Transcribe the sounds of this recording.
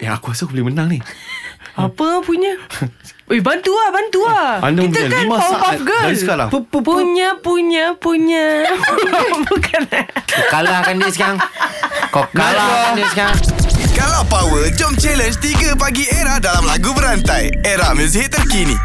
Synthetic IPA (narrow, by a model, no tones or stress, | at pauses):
ʔɛhakuasakubəlimənaŋni | apəpuɲa | ebant̪uabant̪uaa̰ndaməmpuəɲaklimasaʔaat̪̚ɡəadiskala̰hppuɲapuɲapuɲa | bukankokalahkandiskaŋkokalaadiskaŋkalapawəld͡ʒɔmt͡ʃɛlənd͡ʒt̪iɡap̬aɡieɾahdalamlaɡubəɾant̪aj | eɾahməs̬iɦɪt̪ːərkinḭ